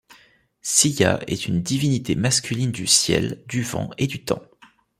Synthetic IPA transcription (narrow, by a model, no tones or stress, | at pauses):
sija̰ɛt̪ʰynd̪ivinit̪ʰemaskʲylind̪ysjɛ̰ld̪yvɑ̰̃ed̪yt̪ɑ̰̃